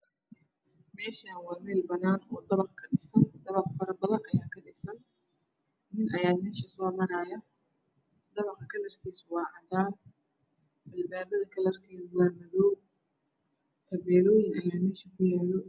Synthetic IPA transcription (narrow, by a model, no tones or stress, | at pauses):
mɛːʃawɑːmɛːlbɐnaːnɔːd̪ɐβɐqkʰɐɖɪsɐnd̪ɐβɐqfɐɾɐbɐðɐnʔɐjaːkʰɐɗɪsɐn | nɪnɐjaːmɛːʃɐsɔːmɐɾajɐ | d̪ɐβɐqkʰɐlɐrkʰiːswɑːʕɑðaː | ɐlbaːβɐðɐkʰɐlɐrkʰɛːwaːmɐðɔ | t̪ʰɐβɛːlɔːjɪŋɐjaːmɛːʃɐkʰʊjaːlɔ